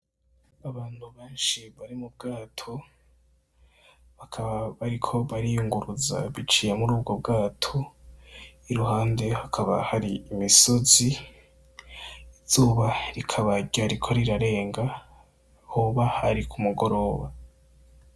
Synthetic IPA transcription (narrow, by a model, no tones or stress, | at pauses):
aβaːn̥huβeːnʃiβaɾimub̚ɡaːtʰo̞ | βakʰaβaβaɾikʰo̞βaɾijuŋɡuɾuza̰βit͡ʃiːjemuɾuːb̚ɡo̞bɡaːtʰo̞ | iɾuɦaːnde̞hakʰaβa̰haɾiimiso̞zi | z̥uːβaɾikʰaβaɟaɾikʰo̞ɾiɾaɾe̞ːŋɡa | hoβahaɾikʰumuɡo̞ɾo̞ːβa